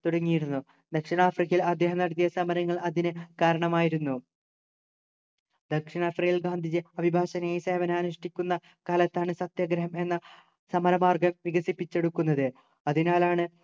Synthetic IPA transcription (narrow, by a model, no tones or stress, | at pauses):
t̪uɽɐŋːijiɾunːu | d̪ɐkʂiɳaːfrikːɐjilɐd̪ːjeɦɐnɐɽɐt̪jɐsɐmɐɾɐŋːɐɭɐðinɨkaːɾɐɳɐmaːjiɾunːu | d̪ɐkʂiɳafrejlɡaːnd̪ʱid͡ʑɨɐbʱibʱaːɕɐnɐjejseːʋɐneaːnuʂʈikʲːunːɐ | kaːlɐt̪ːaːɳɨsɐt̪jɐɡɾɐɦɐme̞nːɐ | sɐmɐɾɐmaːrɡɐmʋiɡɐsipːit͡ɕːe̞ɽukːunːɐðɨ | ɐðinaːlaːɳɨ